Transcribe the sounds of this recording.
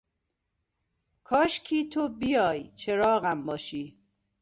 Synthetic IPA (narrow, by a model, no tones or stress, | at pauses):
kʰɒːʃkʰiːt̪ʰobijɒːjt͡ʃʰeɾɒːɣæmbɒːʃiː